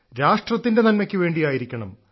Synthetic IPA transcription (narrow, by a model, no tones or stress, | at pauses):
ɾaːʂʈrɐt̪ːinde̞nɐnmɐkʲːɨʋe̞ːɳɖijaːjiɾikʲːɐɳɐm